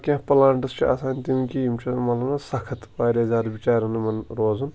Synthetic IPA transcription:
kʲãːɦpɐlaːɳʈɨst͡ʃʰiɐ̰saːnʲt̪imkijimt͡ʃʰimɐt̪lɐbnasɐkʰɐt̪baːɾʲaːzʲaːd̪bit͡ʃaːɾɐnɨmɐnɾoːzun

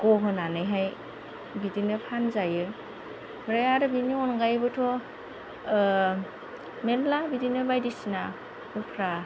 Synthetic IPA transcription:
ɡɔɦɯnanɯjɦaj | bidinɯpʰanzajɯ | bɾajaɾɯbiniɔnɡajbɯtʰɔ | mellabidinɯbajdisina | upʰɾa

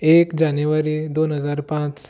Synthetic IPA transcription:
ekd͡ʑanjuʋaɾid̪onɦəd͡zaɾpãt͡ʃ

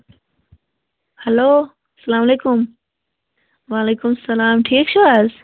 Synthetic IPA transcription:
hɐloː | ɐsɐlaːmɐleːkʊm | ʋaːleːkʊmsɐlaːmʈʰiːk̚t͡ɕʰoaz

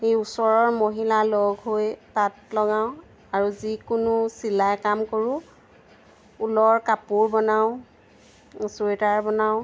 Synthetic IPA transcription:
xejusɔɹɔɹmoɦilalɔɡɦojtatlɔɡaʊ̃ | aɹuzikʊnʊsilajkamkoɹʊ̃ | ulɔɹkapuɹbɔnaʊ̃ | suetaɹbɔnaʊ̃

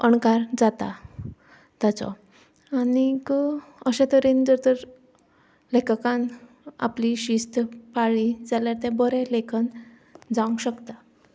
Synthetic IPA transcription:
əɳkaɾd͡zat̪a̰ | t̪jat͡sɔ̰ | anikəɕɛ̃t̪əɾend͡zəɾt̪əɾ | lekkãn | a̰pliɕist̪əpaɭid͡zaljaɾt̪ɛ̃bəɾelekʰən | d͡zaũŋɡɕəkt̪a

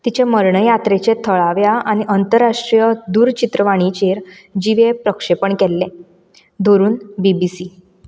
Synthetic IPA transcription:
t̪it͡ɕeməɾɳəjat̪ɾet͡ɕet̪ʰəɭaʋjaañiʔənt̪əɾːaʂʈɾijəd̪uːɾt͡ɕit̪ɾəʋaɽ̃it͡ɕeɾd͡ʑiʋepɾəkʂepəɳkɛlːe | d̪ʱoɾuːnbibisi

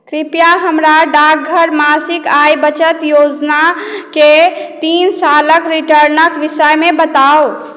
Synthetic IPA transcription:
kɾipjaɦəmɾaɖak̚ɡʱəɾmasikajbət͡ʃət̪jod͡ʒnaket̪insaləkɾiʈəɾnəkʋisəjmebət̪awo

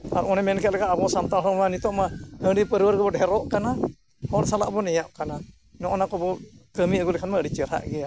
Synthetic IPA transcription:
a̰ɾɔnɛmɛnkɛt̪̚lɛkaʔabɔsamt̪aɾɔmanit̪ɔʔmahəɖipəɾwəɾɡəbɔɖʱɛɾɔʔkana | hɔɾsala̰ʔbɔnɛjaʔkana | nɔʔɔnakɔbɔkəmiəɡulɛkʰanmaɖit͡ʃəɾa̰ʔɡɛja

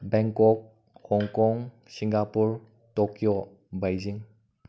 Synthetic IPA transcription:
bɛŋkɔk̚ | hɔŋkɔŋ | siŋɡapuɹ | tɔkijɔ | bajziŋ

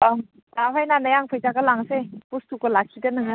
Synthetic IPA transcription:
m | aɦajnanajaŋpʰɯjzaɡalaŋsepustukɔlakʰidɐnɯŋa

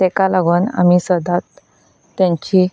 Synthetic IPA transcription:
ekalaɡəna̰misəd̪at̪ː | jãɲt͡ɕi

